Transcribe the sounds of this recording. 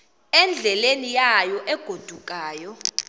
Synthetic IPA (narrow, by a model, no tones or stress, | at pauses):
ɛnd͡ɮʱɛlenijajɔʔɛɡ̥ʱod̥ʱukʼaːjɔ